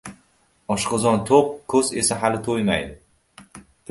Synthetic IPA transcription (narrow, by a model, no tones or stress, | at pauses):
ɒʃqɨzɒnt̪ʰoq̚kʰɵze̞saɦalɪt̪ʰojma̰jd̪ɪ